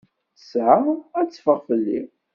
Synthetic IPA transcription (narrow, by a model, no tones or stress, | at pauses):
sʕaæt͡sːfəʁfəlːḭ